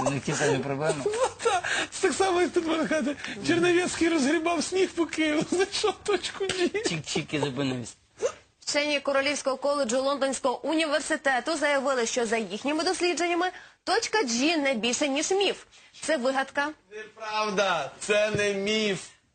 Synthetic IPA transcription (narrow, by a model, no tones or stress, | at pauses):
neft̪ʲisamʲipɾɔblɛmɐd̪at̪ɛ̥t̪aksɑmɔjɐkt̪ut̪bɔnɐxat̪̬ɪt͡ʃernɐʋʲiskijɾɔzɦɾʲibɑwsʲnʲixpʊkɪjzɐʃɔt̪ɔt͡ʃkʊd͡ʒit͡ʃit͡ʃikʲɪzɐpɪnɪsʲ | ʃt͡ʃɛnʲːikɔɾɔlʲiwsʲkɔɦɔkɔlˠed͡ʒʊlˠɔnd̪ɔnʲsʲkɔɦɔʔʊnʲiʋersɪt̪ɛt̪ʊzɐjɐʋɪlˠɪʃt͡ʃɔzɐjixnʲɪmɪd̪ɔsʲlʲidd͡ʒe̞nʲːɐmɪt̪ɔt͡ʃʲkɐd͡ʒʲinɛbʲilʲʃɛnʲiʒmʲift̪sɛʋɪɦɐt̪kɐnpɾɑwd̪ɐt̪sɛnɛmʲif